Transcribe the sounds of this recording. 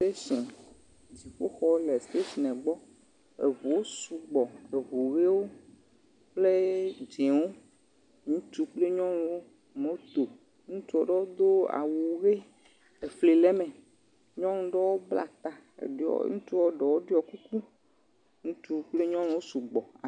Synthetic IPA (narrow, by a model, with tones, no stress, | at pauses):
te˦sẽ˨ | d͡ʑi˨ɸo˦xɔ˦lɛ˨st̪e˦si˨nɛ̃˨ɡ͡bɔ˦ | ḛ˨vu˨wo˦su˨ɡ͡bɔ˨e˨vu˨ɣe˦wo˦ | k͡ple˦d͡ʒẽ˨wo˦ | ŋũ˦t̪u˦k͡ple˦ɲɔ̃˦n˨˦wo˦ | mõ˨˦t̪o˨ | ŋũ˦t̪u˦ɔ˨ɖɔ˦wo˦d̪o˦a̰˨wu˨ɣe˦ | e˨fle˨lɛ˦mɛ̃˨ | ɲɔ̃˦ŋũ˦ɖɔ˦wo˦bla̰˨t̪a̰˨˦ŋũ˦t̪u˦wɔ˦ɖɔ˨wo˦ɖɔ˦ku˦ku˦ | ŋũ˦t̪u˦k͡ple˦ɲɔ̃˦ŋ̃˨wo˦su˨ɡ͡bɔ˨a˨